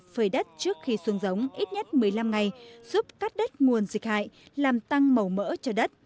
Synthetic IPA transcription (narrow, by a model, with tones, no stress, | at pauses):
fəː˧˩jɗə˦˥t̚t͡ɕɨ˦˥ək̚xi˧swɨ˨˧˦ŋzə˨˦wŋ͡mʔi˦˥t̚ɲə˦˥t̚mɨ˨˩əjla˧mŋa˨˩jz̥u˦˥p̚kaː˦˥k̚ɗə˦˥k̟̚ŋu˨˩ənzï˨˩k̟̚ha̰ː˧˨jlaː˨˩mt̪a˧ŋmə˨˩wmə̰˧˥t͡ɕɔ˧ɗə˦˥t̚